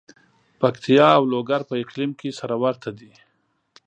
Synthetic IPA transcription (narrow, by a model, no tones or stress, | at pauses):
pakt̪ʰijɑawloɡaɾpəɪqlimkesaɾawaɾt̪ʰad̪i